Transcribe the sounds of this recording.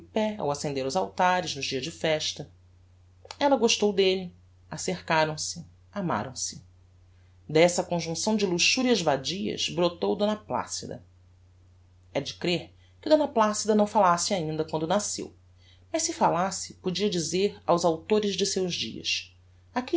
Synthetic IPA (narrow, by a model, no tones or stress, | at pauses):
pɛa̰wasẽnd̪eɾʊzawt̪aɾɪznʊd͡ʒiɐʒd͡ʒɪfɛʃt̪ɐ | ɛlɐɡoʃt̪owd̪elɪ | aseɾkaɾɐ̃w̃sɪ | ama̰ɾɐ̰̃w̃sɪ | d̪ɛsɐkõʒũsɐ̃w̃d͡ʒɪluʃuɾiɐzvad͡ʒiɐ̰zbɾot̪owd̪õnɐpla̰sid̪ɐ̰ | ɛd͡ʒɪkɾeɾ | kɪd̪õnɐplasid̪ɐnɐ̃w̃falasɪaĩnd̪ɐkwɐ̃nd̪ʊnasḛw | mɐʃsɪfalasɪ̥pod͡ʒiɐd͡ʒizeɾa̰wzawt̪oɾɪʒd͡ʒɪsewʒd͡ʒḭɐ̰ʃ | aki